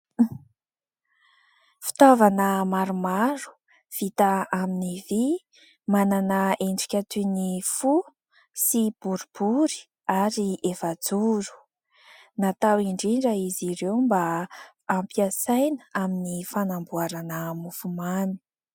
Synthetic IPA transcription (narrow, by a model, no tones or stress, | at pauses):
fi̥t̪avanəmaɾumaɾu̥ | v̥it̪aaminivi | mananəeɳɖ͡ʐi̥kʲat̪unifu | sib̥uɾubuɾi̥ | aɾiʔefad͡zuɾu̥ | nat̪awiɳɖ͡ʐiɳɖ͡ʐəiziɾewmbaː | mpiasajnəaminifanambuaɾanəmufumani̥